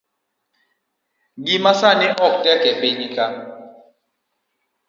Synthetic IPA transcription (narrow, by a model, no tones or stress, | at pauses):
ɡimasaniʔɔk̚tɛkɛk͡peɲika